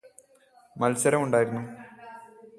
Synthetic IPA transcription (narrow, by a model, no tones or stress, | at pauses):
mɐlsɐɾɐmuɳɖaːjiɾunːu